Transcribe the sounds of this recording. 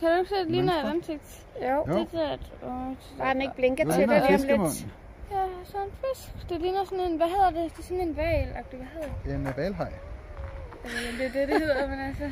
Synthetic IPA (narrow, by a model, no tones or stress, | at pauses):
kʰæd̥ueɡ̥sedliːnɐed̥ænseɡ̥̚d̥ | jo̰edæd̥ɔ̥ | ɑdne̥b̥leŋɡ̥ɐt͡sʰenmlem̥n | jæsɔnfesɡ̥d̥eliːnɐsɔnenʋæɦeð̰ˠɐded̥e̝sɔnenʋɛːlɑɡ̥̚d̥eʋæɦeðˠɐd̥eenʋɛːlɦɑɪ | æljed̥ededeɦhe̝ð̰ˠɐmenælsə